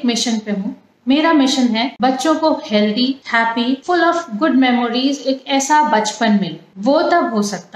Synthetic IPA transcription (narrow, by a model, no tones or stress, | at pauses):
kmɪʃənpeɦũː | meːɾamɪʃənɦɛbɐtːʃõkohɛːld̪ihɛːpifʊlɔːfɡʊɖmɛːmoːɾiːzeːkɛːsabɐt͡ʃpənmẽʋoːt̪ɐbɦosɐk̚t̪a